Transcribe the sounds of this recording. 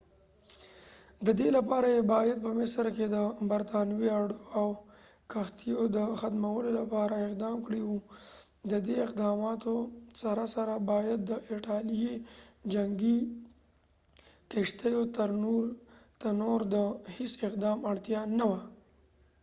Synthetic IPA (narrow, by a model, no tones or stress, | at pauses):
d̪əd̪elapɑɾajebɑjad̪̚pəmɪsɾked̪əbaɾt̪ɑnwiaɖoaw | kaxt̪ijod̪əxat̪mawəlolapɑɾaɪqd̪ɑmkɽiwud̪əd̪eɪqd̪ɑmɑt̪osaɾasaɾabɑjad̪̚ːəʔɪʈɑlijed͡ʒaŋɡi | keʂt̪əjot̪əɾnuɾt̪anoɾd̪əhɪsɪq̚d̪ɑmaɽt̪jɑnawa